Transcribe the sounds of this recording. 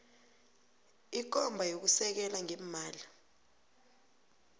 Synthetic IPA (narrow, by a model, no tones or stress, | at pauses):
ik̬ɔmbʱajok̬usɛk̬ɛlaŋem̩maːli